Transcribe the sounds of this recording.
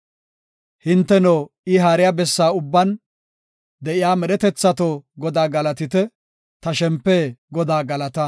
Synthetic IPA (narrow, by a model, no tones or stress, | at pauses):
hɪnt̪ːɛnoː | ɪɦaːɾɪjaːbɛsːaːʊbːɐn | d̪ɛʔɪjaːmɛɗɛt̪ɛt͡sːɐt̪oːɡɔd̪aːɡɐlɐt̪ɪt̪ɛ | t̪ɐʃɛmpːeːɡɔd̪aːɡɐlɐt̪ɐ